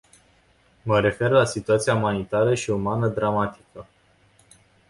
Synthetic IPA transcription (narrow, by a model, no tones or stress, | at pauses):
məɾe̞fe̞rlasit̪uat̪siaumanit̪aɾəʃiumanəd̪ɾamat̪i̥kə